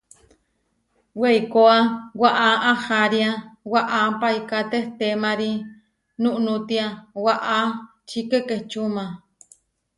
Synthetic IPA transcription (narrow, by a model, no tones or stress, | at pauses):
wejkoawaʔaʔahaɾiawaʔapaikat̪eht̪emaɾi | nuʔnut̪iawaʔa | t͡ʃikekeht͡ʃumã